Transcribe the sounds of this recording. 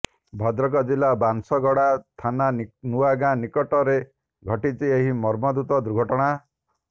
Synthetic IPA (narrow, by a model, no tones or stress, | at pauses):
bʱɔd̪ɾɔk̬ɔd͡ʒilabansɔɡɔɽat̪ʰananuwaɡãnikɔʈɔɾe | ɡʱɔʈit͡ʃieɦimɔɾmɔd̪ut̪ɔd̪uɾɡʱɔʈɔɽ̃a